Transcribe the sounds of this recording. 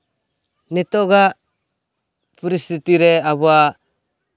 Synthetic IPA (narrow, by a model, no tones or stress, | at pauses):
nit̪oɡa | pɾist̪it̪iɾeaβua